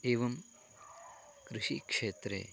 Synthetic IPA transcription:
eːʋɐm | kɾɪʃikʂeːt̪ɾḛ

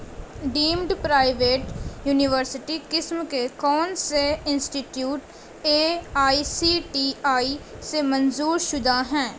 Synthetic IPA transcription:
ɖiːmɖpɾaːɪʋeːʈjuːnɪʋəɾsɪʈiːkɪsmkekɔːnseɪnsʈiːʈjuːʈ | eːaːisiːʈiːaːiːsemənzuːɾʃʊd̪aːɦɛ̃ː

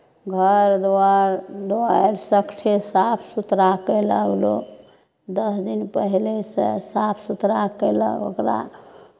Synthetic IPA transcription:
ɡʱəɾd̪aɾd̪oaelsəkt͡ʃʰesapʰsut̪ɾakeləɡlo̰ | d̪əsd̪inpəɦlesḛsapʰsut̪ɾakɛlə̰o̰kɾa̰

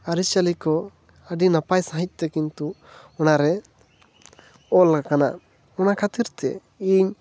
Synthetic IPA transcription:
aɾit͡ʃalikɔ | əɖinapajsaɦic̚ˀt̪ɛkint̪u | ɔnaɾɛ | ɔlkana̰ | ɔnakʰat̪iɾt̪ɛ̰ | iɲ

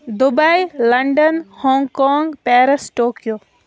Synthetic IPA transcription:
d̪ʊbailɐɳɖənhɔ̃ːŋɡkɔːŋɡpɛːɾəsʈoːkijoː

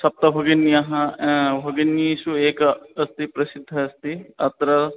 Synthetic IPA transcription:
sɐp̚t̪ɐbʱɐɡɐnːijɐɦɐ̃bʱɐɡɐnisueːkɐst̪ipɾɐsɪd̪ʱːɐːst̪iɐt̪ɾɐ

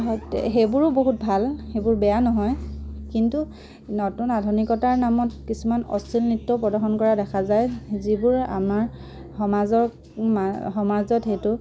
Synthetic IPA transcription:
ɦɔjxejbʊɹʊboɦut̚bʱalxebʊɹbɛjanɔɦɔjkintu | nɔtunadʱunikɔtaɹnamɔtkisumanɔ̰stʰilnitːɔpɹɔdaɹxɔnkɔɹadɛkʰazajzibʊɹa̰maɹ | xɔmazɔ | mxɔmaɹzɔtxejtʊ

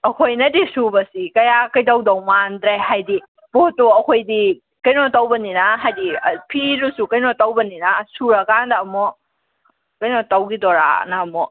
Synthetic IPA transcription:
ɐkʰojnɐdisubɐsikɐjakɐjdawdɔwmandɾeɦajdi | b̥ɔtɔɐkʰojdi | kɐjnɔtawbɐninaɦajdipʰiɾusukɐjnɔtawbɐninasuɾakandaːmɔ | kɐjnɔtawɡidɔɾa̰naːmɔ

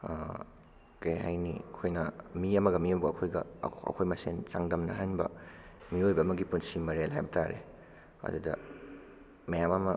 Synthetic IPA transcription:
kɐjɦajniɐkʰojnɐmiɐmɐɡɐmiɐbɐɐkʰojɡɐɐ̰kʰojmɐsent͡ʃaŋdɐmnɐɦanbɐ̰miojbɐːmɐɡipunsimɐɾelɦajbɐtʰaɾḛ | ɐ̰dudɐ̰ | mɐjamɐmɐ

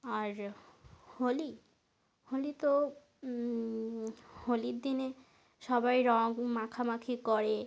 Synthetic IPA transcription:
aɾ | holi | holit̪o | holiɾd̪ine | ʃɔbajɾɔŋmakʰamakʰikɔɾe

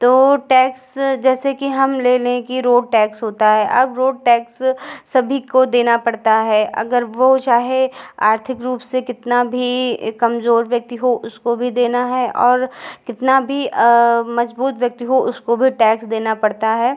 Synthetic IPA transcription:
t̪oːʈɛːksd͡ʒɛːsekiɦɐmleːleẽkiɾoːɖ̚ʈɛːksɦoːt̪aɦɛʔɐbɾoːɖ̚ʈɛːksːɐbʱikod̪eːnapɐɽt̪aɦɛːʔɐ̰ɡəɾʋot͡ʃaːɦeaːɾt̪ʰɪkɾuːpsekɪt̪nabʱikɐmzoːɾʋjɐk̚t̪iɦoʔʊskobʱid̪eːnaɦɛʔɔːɾkɪt̪nabʱi | mɐzbuːt̪ʋjɐk̚t̪iɦoʊskobʱiʈɛːksd̪eːnapɐɽt̪aɦɛː

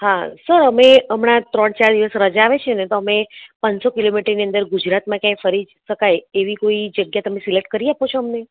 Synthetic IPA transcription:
ɦasəɾəmeəmɳat̪ɾəɳt͡ʃaɾd̪iʋəsɾəd͡ʒaːʋet͡ʃʰenet̪oəmepənsokilomiʈəɾniə̃nd̪əɾɡud͡ʒɾat̪mãkjãjfəɾi | ʃəkajeʋikoid͡ʒəɡjat̪əmesileʈkəɾiapot͡ʃʰoəmne

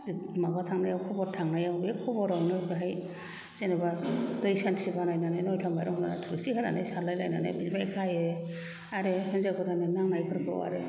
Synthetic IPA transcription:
maɡatʰaŋnajawkʰɔbɔɾtʰaŋnajawbekʰɔbɔɾawnɯbaɦaj | z̥enebadɔjsansibanajnanajnɔjtʰamajɾɔɦɔnana̰tʰuɾɯsiɦɯna̰najsaɾlajla̰jna̰na̰bizbajkʰaje | aɾehɯnzakɔtʰanenaŋnajpʰɯɾkʰɯ̰wa̰ɾe

